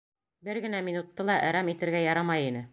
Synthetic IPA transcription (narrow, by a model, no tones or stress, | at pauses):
bɘɾɡɘ̆næminut̪ːɤlˠɑʔæɾæmit̪ɘ̆ɾɡæjɑɾɑmɑjinɘ